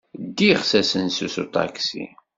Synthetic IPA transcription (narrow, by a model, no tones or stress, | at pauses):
d̪ːiʁsæsənsusṵt̪ˤɑ̰ksḭ